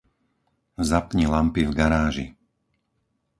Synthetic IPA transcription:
zapɲilampivɡaɾaːʒḭ

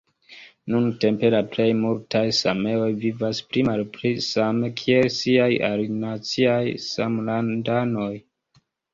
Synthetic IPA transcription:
nunte̞mpe̞laple̞jmultʰajsame̞o̞jvivaspɾimalpɾisame̞kʰie̞lsiaja̰linat͡siajsamlandano̞j

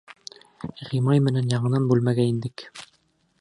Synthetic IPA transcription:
ʁimɑjmɘ̆nænjɑɴɤ̆nɑnbʉlmæɡæind̪ɘk

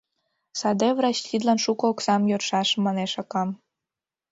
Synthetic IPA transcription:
sɑd̪evrɑɕxid̪lɑnʃukɤoksɑmjørʃɑʃmɑneʃɑkɑm

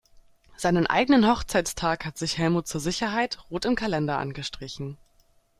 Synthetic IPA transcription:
z̥aɪnənʔa̰ɪɡənənhɔχt͡saɪtt͡stʰaːkhatz̥ɪçhɛlmuːt̚t͡suːɐzɪçɐɦaɪtʁoːtɪmkʰalɛndɐʔa̰nɡəʃtʁ̥ɪçn̩

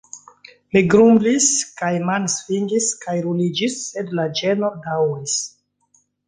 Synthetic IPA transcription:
miɡɾumbliskajmalsfind͡ʒiskajɾulid͡ʒisːedlad͡ʒenodawɾis

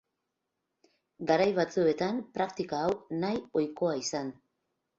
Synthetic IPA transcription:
ɡaɾajβat͡sue̞t̪anpɾakt̪ikaːwnajo̞jko̞aisan

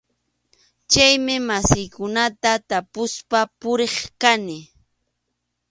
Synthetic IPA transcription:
t͡ʃajmɪmasɪjkʊnat̪at̪apʊspapʊɾeχkanɪ

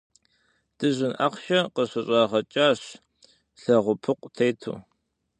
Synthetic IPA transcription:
d̥ɨʑʷɪnʔɐ̰qʷʃɐqəɕɐɕʼɑːʁɐt͡ʃʼaːɕ | ɬɐʁʷʊpʰɨqʷʼtʰejtʰṵː

